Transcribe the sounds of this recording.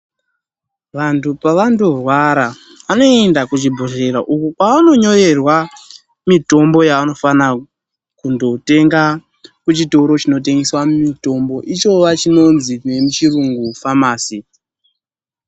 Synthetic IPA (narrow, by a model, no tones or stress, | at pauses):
ʋantʰupaʋando̞rwaɾa | ʋano̞e̞ndakut͡ʃibʱore̞ɾaʔukukwaʋano̞ɲo̞re̞rwa | mito̞mbo̞jaʋano̞fana | kundo̞te̞ŋɡa | kut͡ʃito̞ɾo̞t͡ʃino̞t̬e̞ŋɡeswamito̞mbo̞ʔit͡ʃo̞ʋat͡ʃino̞nzine̞mut͡ʃiruŋɡufamaːsi